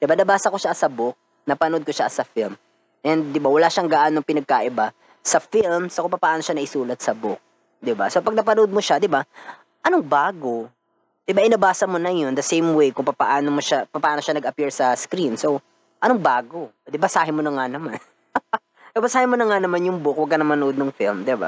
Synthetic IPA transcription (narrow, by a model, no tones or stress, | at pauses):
d̪̥ɪbanɐbaːsɐkoʃasɐbʊk̚ | nɐpɐnod̪̚koʃa̰sɐfilm | ʔɛnd̪̚ːɪbawɐlaʃaŋɡaʔanɐŋpɪnɐɡ̚kaʔɪba | sɐfilmsokʊŋpɐpɐʔaːno̞ʃanɐʔɪsuːlɐt̪̚sɐbʊk̚ | d̪ɪba̰sopɐɡ̚nɐpɐnod̪̚moʃad̪ɪba | ʔɐnoŋbaːɡo̞ | d̪̥ɪbaʔɪnɐbaːsɐmonɐjond̪ɐsejmwejkʊŋpɐpɐ̰ʔaːnomoʃapɐpɐʔaːno̞ʃanɐɡɐpiɹsɐskɾinso | ʔɐnoŋbaːɡo̞ | d̪ɪbɐsaːhɪmonɐŋanɐman | nɐbɐsaːhɪmonɐŋanɐmanjʊŋbʊk̚wɐɡ̚kɐnɐmɐnod̪̚nɐŋfilmd̪ɪba̰